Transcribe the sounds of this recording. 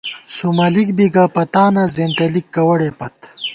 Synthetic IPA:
sumɐlik̚biɡaːpɐt̪aːnazeːnt̪ɐlik̚ːɐwɐɽeːpɐt̪

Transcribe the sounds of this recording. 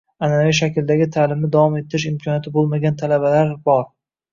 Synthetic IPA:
anaviʃ̬akʲɪld̪aɡʲɪt̪ʰaːlɪmnɪd̪avɒme̞t̪ʰɪɾɪʃɪmkʲʰɒnjat̪ʰɪbolˠmaɡʲant̪ʰalabalaɾbɒɾ

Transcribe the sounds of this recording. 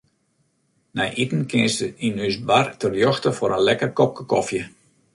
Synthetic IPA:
nɛjʔitən̩kɪənstəinysbartərjɔxtəfoɾənlɛkərkɔp̚kəkɔfjə

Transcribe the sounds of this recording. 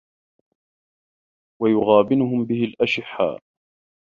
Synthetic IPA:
wajʊɣaːbɪnʊɦʊmbɪhɪlʔaʃɪħːa̰ː

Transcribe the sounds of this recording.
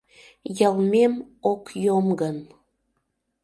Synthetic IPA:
jɑlˠmemokjomɡən

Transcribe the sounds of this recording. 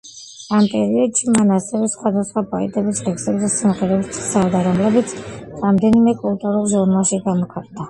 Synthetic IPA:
ampʼɛɾiɔd̪ʃimanasɛvɛsχwad̪asχwapʼɔit̪ʼɛbisʁɛksɛbzɛsimχɛɾɛbit̪sʰsald̪aɾɔmlɛbit̪sʰɾamd̪ɛnimɛkʼulˠt̪ʼuɾulˠʒuɾnalˠʃiɡamɔkʰatʼnd̪a

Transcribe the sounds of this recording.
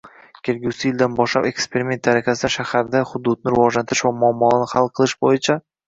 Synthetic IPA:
kʲʰe̞lɡʲuwsɪjɪld̪anbɒʃla̰be̞kspe̞ɾimʲe̞nt̪̚d̪aɾakʲʰasɪd̪aʃahaɾd̪aχʊd̪ʊd̪̚nɪɾɪvɒd͡ʒlant̪ʰɪɾɪʃvamʊɒmːɒnɪhalˠqʰɨlˠɪʃbojɪt͡ʃʰa

